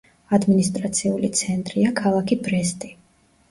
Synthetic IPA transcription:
ad̪minist̪ʼɾat̪sʰiulit̪sʰɛnt̪ʼɾiakʰalˠakʰibɾɛst̪ʼi

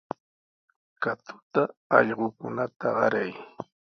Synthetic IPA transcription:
kat̪ʊ̥t̪aɑʎɢokʊnat̪aɢɑɾaj

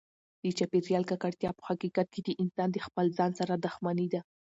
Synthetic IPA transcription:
d̪̥ət͡ʃapeɾjɑlkakaɽt̪jɑpə̥haqiqat̪̚kʰed̪əʔɪnsɑnd̪əxpəlzɑnsaɾad̪ʊxmanid̪a

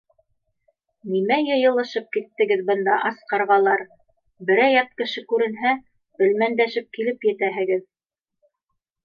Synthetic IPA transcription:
nimæjɤ̆jɤ̆lˠɤ̆ʃɤp̚kit̪ːɘ̆ɡɘðbɤ̆nd̪ɑʔɑsqɑɾʁɑlˠɑɾ | bɘ̆ɾæjɑt̪̚kɘ̆ʃɘkʉɾɘ̆nɦæ | ɵ̆lmænd̪æʃɘp̚kilɘpjɘ̆t̪æɦɘ̆ɡɘð

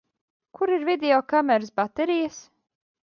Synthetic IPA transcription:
kʰuɾiɾvid̪ʲeɔkamɛɾɨsbat̪ɛɾijas

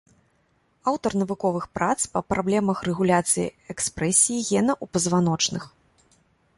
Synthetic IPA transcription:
awt̪ɐrnɐvukɔvɨxpɾat̪spɐpɾʔablʲɛmɐxrɛɣulʲat̪sɨjḭɛkspɾɛsʲijiɣʲɛnɐʔupɐzvanɔt͡ʂnɨx

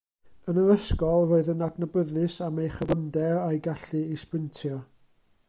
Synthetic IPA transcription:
ənəðəskɔlˠroːɨðənadnəbəðɨsamejχəvˠəmdɛɾajɡaɬɨispəntʰjɔ

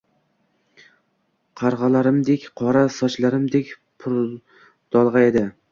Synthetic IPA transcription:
qʰɑɾʁɑlaɾɪmd̪ekʲqʰɒɾasɒt͡ʃlaɾɪmd̪ekʲ | pʰʊɾ | d̪̥ɒlˠʁɑed̪ɪ

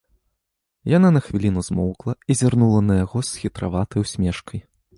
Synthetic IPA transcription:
jananɐxvʲilʲinuzmɔwklˠɐizʲarnulˠɐnɐjaɣɔsxʲit̪ɾavat̪ɐjwsʲmʲɛʂkɐj

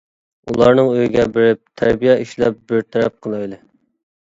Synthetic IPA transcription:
ṵlˠɑɾnɨŋøjiɡʲɛbɪɾɪp̚t̪ʰæɾbijɛʔiʃlɛ̰p̚bɪɾt̪ʰæɾɛp̚qʰəlˠɑjlˠɨ

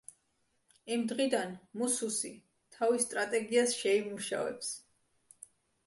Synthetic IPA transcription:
imd̪ʁid̪anmususi | t̪ʰavist̪ʼɾat̪ʼɛɡiasʃɛimuʃa̰vɛ̰ps

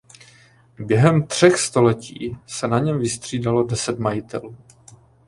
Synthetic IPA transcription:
bjɛɦɛmt̪r̝̥ɛxst̪o̞lɛcḭːsɛnaɲɛmvɪst̪r̥iːdalo̞dɛsɛt̪majɪt̪ɛ̰luː

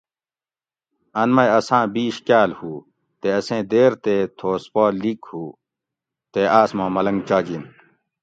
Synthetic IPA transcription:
ɐnmɐjɐsãːbiːɕkaːlhuː | t̪eɐsẽːd̪eːɾt̪et̪ʰoːspaːlikhuː | t̪eaːsmãːmɐlɐŋɡt͡ɕaːd͡ʑin

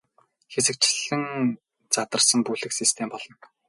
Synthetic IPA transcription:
xesɘ̆k̚t͡ɕɪ̆ɮɘ̆ŋ | t͡sat̪ə̆rsə̆ŋpuɮɘ̆ksist̪ʰempɔɮɞ̆ŋ

